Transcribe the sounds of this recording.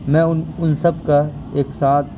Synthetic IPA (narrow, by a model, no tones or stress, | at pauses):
mɛ̃ʊʊnsɐb̚ka | eːksaːt̪̚ʰ